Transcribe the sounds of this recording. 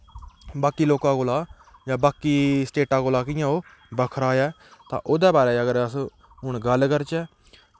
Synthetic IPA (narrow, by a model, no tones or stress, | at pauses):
baːkiːloːkãːkoːlaː | jãːbaːkiːsʈeːʈãːkoːlaːkɪjãːoː | bəkʰɾaːjɛː | t̪ã̰ːʔoːd̪ɛːbaːɾeːəɡəɾəsː | ɦʊɳɡəlkəɾt͡ʃɛː